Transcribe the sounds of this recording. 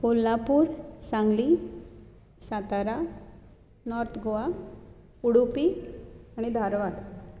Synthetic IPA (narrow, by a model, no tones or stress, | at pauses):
kolːapuːɾsãŋɡli | sat̪aɾa | nɔɾt̪ʰɡoa | uɽupiañid̪ʱaɾʋaɽ